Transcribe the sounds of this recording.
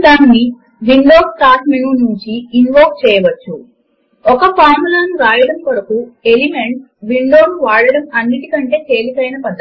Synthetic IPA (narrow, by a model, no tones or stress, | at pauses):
d̪aːnːi | ʋiɳɖoːsʈaːɾʈminuːnuɲt͡ʃiːnʋoːk̚t͡ʃɛːjɐʋɐt͡ʃːu | ɔkɐpʰaːɾmulɐnuɾaːjɐɽɐmkɐɾɐkuelimeɳʈ̚ | ʋiɳɖo̞ːnuʋaːɽɐɽɐmɐnːiʈikɐɳʈe̞ːt̪e̞ːlikɐjnɐpɐd̪ːɐ